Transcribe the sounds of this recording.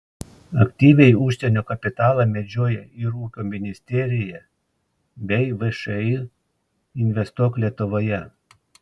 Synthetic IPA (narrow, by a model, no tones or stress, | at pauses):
ɐkʲt̪ʲiːʋʲɛɪʊˑʃʲsʲɛnʲoːkɐpʲɪt̪ɑːlˠɑmʲɛd͡ʒʲoːjɛɪɾuːkʲoːmʲɪnʲɪsʲt̪ʲɛːɾʲɪjɛ | bʲɛɪʋɛʃɛi | ɪnʲʋʲɛst̪uɔklʲiɛt̪ʊʋoːjɛ